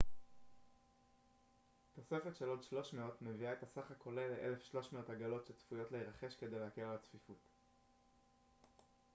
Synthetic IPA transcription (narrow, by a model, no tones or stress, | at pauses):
to̞se̞fetʃelo̞dʃlo̞ʃmeo̞tme̞viae̞tasaχako̞leleʔḛle̞fʃlo̞ʃmeo̞taɡalo̞tʃet͡sfujo̞tleiʁaχe̞ʃke̞d̪ejleakelalat͡sfifut